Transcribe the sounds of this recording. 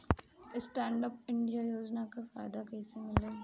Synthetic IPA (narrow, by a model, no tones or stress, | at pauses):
ɪsʈɛ̃ːɳɖəp̚ɪ̃ɳɖijajoːd͡ʒnakafaːd̪akɛsemɪleː